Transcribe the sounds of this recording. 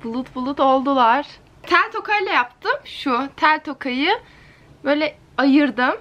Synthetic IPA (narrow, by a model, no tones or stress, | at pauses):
b̥ulˠut̪bulˠut̪o̞lˠd̪ulˠaɾ̥ | t̪ʰæɾʲt̪ʰo̞kajlˠajapt̪ʰɯmʃʊt̪ʰælʲt̪ʰo̞kʰajɯ | bø̞ːjlʲɛ | ajɯɾd̪ɯm